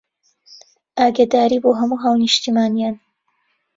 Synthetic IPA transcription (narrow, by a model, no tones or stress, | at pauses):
ʔaːɡad̪aːɾiːboːɦɐmuːɦaːwnɪʃt̪imaːnijaːn